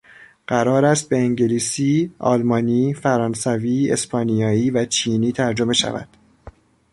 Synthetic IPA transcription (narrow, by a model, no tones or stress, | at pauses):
ɢ̥æɾɒːɾæst̪̚be̞eŋɟe̞liːsiːɒ̰ːlmɒːniːfæɾɒːnsæviːe̞̰spʰɒːnijɒːiːvæt͡ʃʰiːniːt̪ʰæɾd͡ʒo̞me̞ʃæ̰væ̰d̪̥